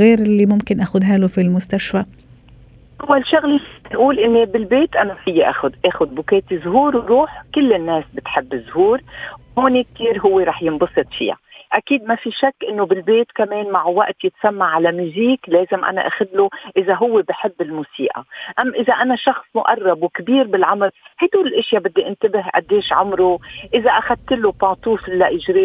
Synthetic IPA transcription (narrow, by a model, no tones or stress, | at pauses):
ɣeːɾɪlːimʊmkɪnʔaːxʊd̪ɦaːlofilmʊst̪aʃfa | ʔʊwːalʃʊɣlit̪ʔuːlʔɪnːebɪlbeːt̪ʔanafɪjːaʔaːxʊd̪ʔeːxʊd̪̚bʊkeːt̪izɦuːɾwɾuːħkʊlːɪnːeːsbɪt̪ħɪbːɪzhuːɾwhoːnek̚t̪iːɾɦʊwːeɾˤɑːħjɪnbɑsˤɨt̪ˤfḭja̰ʔakiːd̪mafiʃakːʔɪnːobɪlbeːt̪kameːnmaʕwaʔt̪jɪt̪samːaʕalamuːziːkleːzɪmʔa̰na̰ʔa̰ːxad̪loʔɪzaɦʊwːebɪħɪbːɪlmuːsiːʔa̰ʔamːʔɪzaʔanaʃɑxsˤmʊʔɑrˤːɑbwkbiːɾbɪlʕʊmɾhajd̪uːlɪlʔɪʃjabɪd̪ːiʔɪnt̪ɪbɪhʔa̰d̪ːeːʃʕʊmɾuʔɪzaʔaxad̪̚t̪ɪlupɑːt̪ˤuːflːaʔɪʒɾiː